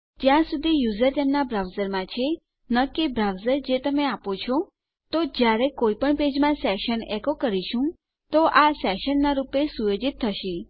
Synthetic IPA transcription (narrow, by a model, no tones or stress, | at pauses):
d͡ʒjãsud̪ʱijuzəɾt̪emnabɾawzəɾmãt͡ʃʰe | nəkebɾawzəɾd͡ʒet̪əmeapot͡ʃʰɔ | t̪od͡ʒjaɾekoipəɳped͡ʒmãsɛʃənɛkokəɾiʃũ | t̪oʔasɛʃənːaɾupesujod͡ʒit̪ʰːəʃi